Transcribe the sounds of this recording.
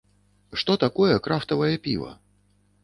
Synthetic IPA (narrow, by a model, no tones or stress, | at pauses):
ʂt̪ɔt̪akɔjɛkɾaft̪ɐvɐjɐpʲḭvɐ̰